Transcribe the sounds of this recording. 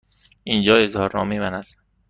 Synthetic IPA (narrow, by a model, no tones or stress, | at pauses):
ind͡ʒɒːezhɒːɾɒ̰ːmiːbænæd̪